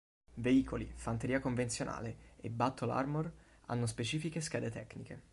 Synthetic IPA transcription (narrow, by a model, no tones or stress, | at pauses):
veiːkʰolifant̪eɾiːakoɱvent̪sjonʔa̰ːleebːat̪ʰːola̰rmor | a̰nːospet͡ʃiːfikeskɛːd̪et̪ɛkːnikḛ